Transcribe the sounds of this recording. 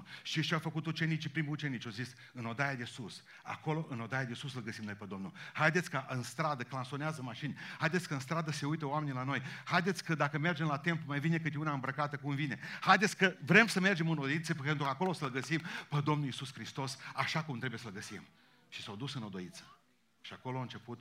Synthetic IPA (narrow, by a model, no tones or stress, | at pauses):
ʃiʃiawfəkut̪ut͡ʃe̞nit͡ʃpɾimut͡ʃe̞nit͡ʃawzis | ɨno̞d̪ajad̪e̞sus | a̰ko̞lo̞ʔɨno̞d̪ajad̪e̞susɨlɡəsimno̞jpəd̪o̞mnulhajd̪et̪sʲkəʔɨnst̪ɾad̪əklanso̞neazəmaʃinʲhajd̪et̪sʲkəɨnst̪ɾad̪əse̞ujt̪əoame̞nʲilano̞jhajd̪e̞t̪sʲkəd̪akəme̞rd͡ʒe̞mlat̪e̞mplumajvine̞kɨt̪eunaɨmbɾəkat̪əkumvine̞hajd̪et̪sʲkəvɾe̞msəme̞rd͡ʒe̞mɨnod̪ojit̪səpent̪ɾukako̞losəlɡəsimpəd̪o̞mnulisuskɾist̪o̞saʃakumt̪ɾebujesəlɡəsim | ʃi̥sawd̪usɨno̞d̪o̞it̪sə̥ | ʃiako̞loaɨnt͡ʃe̞put̪̚